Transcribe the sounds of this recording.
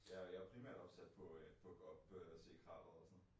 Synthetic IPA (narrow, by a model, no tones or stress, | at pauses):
jɑjɑ̈pʰʁimæɐ̰d̥ɒ̽b̥sæd̥pʰɒ̽pʰɒ̽ɡ̥ɒ̽b̥ʰɒse̝̰ːkʰʁɑ̰̈ːʋ̥ð̩ˠɒsɔ̽n̩